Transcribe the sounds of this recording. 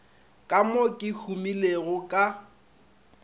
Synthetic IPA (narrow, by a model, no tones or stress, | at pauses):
kʼamokʼɪhʰumileɣʊkʼa